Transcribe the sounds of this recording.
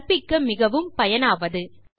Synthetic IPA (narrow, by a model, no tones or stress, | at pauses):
pɪkːɐmɪɣɐʋɯmpɐjɐnaːʋɐðɯ